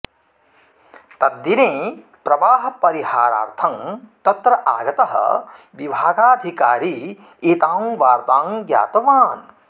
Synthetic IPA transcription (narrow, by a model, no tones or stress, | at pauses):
t̪ɐd̪ːineː | pɾɐʋaːɦɐ̆pɐɾiɦaːɾa̰ːɾt̪ʰɐŋt̪ɐt̪ɾɐʔaːɡɐt̪ɐɦɐ̰ | ʋibʱaːɡaːd̪ʱikaːɾi | it̪aːmʋaːɾt̪aːŋɡja̰ːt̪ɐʋaːn